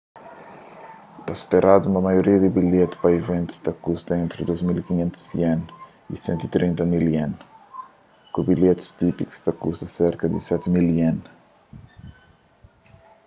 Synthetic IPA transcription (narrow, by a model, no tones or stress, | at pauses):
t̪aspeɾʔad̪uumɐmɐjuɾiɐd̪ɪbiʎet̪u̥pɐivẽnt̪u̥st̪akust̪ɐẽnt̪ɾɪd̪ozmilikiɲẽnt̪u̥z̥iɛ̃n | ḭsḛ̃nt̪it̪ɾĩnt̪ɐmiliẽn | kubiʎet̪u̥st̪ipiku̥st̪akust̪ɐseɾkɐd̪ɪ̰sɛt̪milien